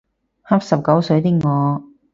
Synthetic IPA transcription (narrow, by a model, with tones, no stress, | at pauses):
ha˥p̚sɐ˨p̚kɐ˨˥wsɵ˨˧ɥjt̪i˥ŋɔː˨˧